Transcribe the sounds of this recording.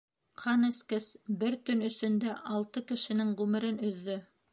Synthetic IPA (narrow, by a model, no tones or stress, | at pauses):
qʰɑnɘ̆skɘsbɘɾt̪ɵnɵ̆sɵ̆nd̪æʔɑlˠt̪ɤkɘ̆ʃɘ̆nɘŋʁʉmɘ̆ɾɘnɵ̆ðːɵ